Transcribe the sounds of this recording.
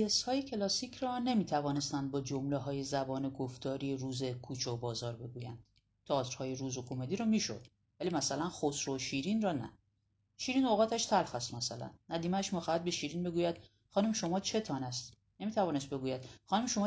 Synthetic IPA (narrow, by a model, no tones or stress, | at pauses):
eshɒːjecʰe̞lɒːsicʰrɒne̞miːt̪ʰævɒːne̞st̪ænd̪̚bɒːd͡ʒomleɦɒːje̞zæbɒːneɡoft̪ɒːɾieɾuːzekʰut͡ʃʰobɒːzɒːɾbe̞ɡuːjæ̰nd̪̥ | t̪ʰɑːt̪ʰɾ̥hɒːjeɾuːzokʰomed̪iɾɒmiːʃo̰d̪̥ | væliːmæsælænxosɾoʃiɾiːnrɒːnæ̰ | ʃiːɾiːnoɣɒːt̪ʰæʃt̪ʰælxæst̪mæsælæ̰nːæd̪iːmæʃmixɒːhæd̪̚beʃiːɾinbe̞ɡuːjæd̪̥ | χɒːnumʃo̞mɒːt͡ʃʰe̞t̪ʰɒːnæst̪ | nemit̪ʰævɒːnest̪be̞ɡuːjæd̪̥̚xɒːnuːmʃo̞mɒ